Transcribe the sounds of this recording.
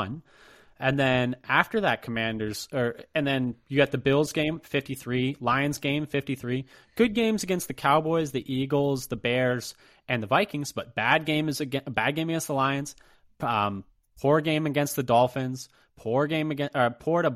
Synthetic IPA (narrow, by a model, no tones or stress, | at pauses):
n | ɨ̃nðɨ̃næftə˞ðɨt̚kʰəmæ̃ndə˞z̥ə˞ɨ̃nðɨ̃njɨɡɛt̪̚ðɨbɪlˠzɡẽɪ̃ɱfɪftiθɹilãɪɨ̃nzɡẽɪ̃ɱfɪftiθɹiɡ̥ʊd̚ɡẽɪ̃mzɨɡɛ̃nst̪̚ðɨkʰaʊbɔɪzðiʔiɡl̩ˠzðəbɛɹz̥ | ɨ̃nðəvaɪkɪ̃ŋzb̥ʌt̚b̥æd̚ɡẽɪ̃mɨzɨbæd̚ɡẽɪ̃mɨɡɛ̃nst̪̚ðəlaɪɨ̃nz̥̃ | pʰʊɹɡẽɪ̃mɨɡɛ̃nst̪̚ðɨdɔlˠfɨ̃nz̥ | pʰʊɹɡẽɪ̃mɨɡɛ̃ʔəpʰɔɹɾə